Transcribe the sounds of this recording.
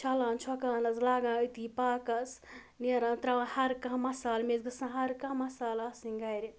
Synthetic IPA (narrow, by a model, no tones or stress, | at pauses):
t͡ʃʰɐlãːnt͡ʃʰɔkaːnɐzlaːɡãːət̪iːpaːkɐs | neɾãːnt̪ɾawãhɐɾkãɦmɐsaːlmeːzɡɐsãɦɐɾkãːmɐsaːlɐsĩŋɡɐjɾi